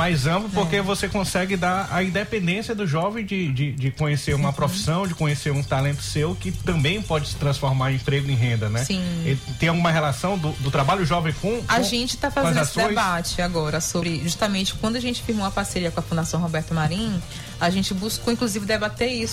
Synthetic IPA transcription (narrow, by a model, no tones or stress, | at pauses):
majzɐ̃plʊpoɾkevosekõsɛɡɪd̪aɐ̰ĩnd̪epẽnd̪ẽsiɐd̪ʊʒɔvẽj̃d͡ʒɪd͡ʒɪd͡ʒɪkõɲeseɾũmɐpɾofi̥sɐ̃w̃d͡ʒɪkõɲeseɾũt̪alẽnt̪ʊ̥sewkɪt̪ɐ̃mbẽj̃pɔd͡ʒɪsɪ̥t̪ɾɐ̃sfɔɾmaɾ̃ẽmpɾeɡʊẽj̃ɦẽnd̪ɐnɛsĩet̪ẽj̃awɡũmɐɦɛlasɐ̃w̃d̪ʊd̪ʊt̪ɾabaʎʊʒɔvẽj̃kõaʒẽnt͡ʃɪ̥t̪afazeɐ̃dzassdõẽj̃bat͡ʃɪaɡɔɾɐsobɾɪʒust̪ɐmẽnt͡ʃɪ̥kwɐ̃nd̪ʊaʒẽnt͡ʃɪ̥fiɾmowɐpaɾseɾiɐkõɐfũd̪asɐ̃w̃ɦobɛɾt̪ʊmaɾĩ | aʒẽnt͡ʃɪbuskowĩŋkluzivɪd̪ebat̪eisʊ